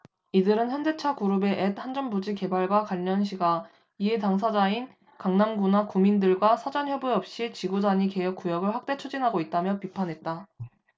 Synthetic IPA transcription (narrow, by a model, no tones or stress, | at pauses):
idɯɾɯnçjʌnde̞t͡ɕʰakuɾube̞ʔet̚hand͡ʑʌnbud͡ʑike̞baɭɡwakwaʎːʌnɕʰiɡa | ie̞taŋs̬ʰad͡ʑain | kaŋnaŋɡunakumindɯɭɡwasʰad͡ʑançjʌbuʌp̚ɕ͈it͡ɕiɡud͡ʑaɲike̞jʌk͈ujʌbɯɭɸwak̚t͈e̞t͡ɕʰud͡ʑinɦaɡoit̚t͈amjʌpipʰanɦe̞t̚t͈a